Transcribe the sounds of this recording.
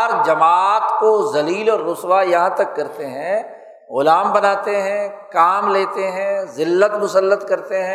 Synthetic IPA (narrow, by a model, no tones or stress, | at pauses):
ɾd͡ʒɐmaːt̪kozɐliːlɔːɾːʊswajɐɦãt̪ɐkːɐɾt̪eɦɛ̃ | ɣʊlaːmbɐnaːt̪eɦɛ̃ːkaːmleːt̪eɦɛ̃zɪlːət̪mʊsəlːət̪kɐɾt̪eɦɛ̃